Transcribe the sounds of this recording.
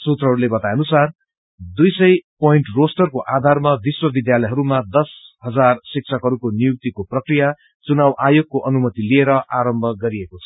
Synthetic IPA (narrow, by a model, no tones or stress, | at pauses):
sut̪rʌɦʌɾulebʌt̪ajʌnusar | d̪ujsʌjpʌiɳʈrosʈʌrkoʔad̪ʱarmabiswʌbid̪jalʌjɦʌɾumad̪ʌsɦʌd͡zarsik̚t͡sʰʌkɦʌɾukonijuk̚t̪ikoprʌkrija | t͡sunawʔajoɡ̚koʔʌnumʌt̪ilieɾʌʔaɾʌmbʱʌɡʌɾiekot͡sʰʌ̥